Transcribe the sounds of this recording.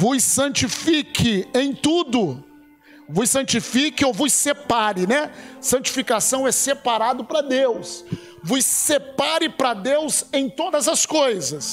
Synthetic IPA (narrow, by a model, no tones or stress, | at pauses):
vʊsɐ̃t͡ʃifikʰɪẽj̃t̪ud̪ʊ | vʊsɐ̃t͡ʃifikɪowvʊsepaɾɪnɛsɐ̃t͡ʃi̥fikasɐ̃w̃ɛsepaɾad̪ʊpɾɐd̪ews | vʊsːepaɾɪpɾɐd̪ewzẽj̃t̪od̪ɐzɐskojzɐs